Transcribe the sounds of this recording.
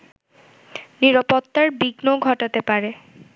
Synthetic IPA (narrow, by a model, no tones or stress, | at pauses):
niɾapot̪ːaɾbiɡnoɡʱɔʈat̪epaɾe